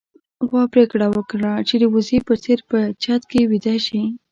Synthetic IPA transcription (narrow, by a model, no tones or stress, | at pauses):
ɣɑpɾekɽawəkɽat͡ʃed̪əwʊzepət͡seɾpət͡ʃɑt̪kewid̪aʃi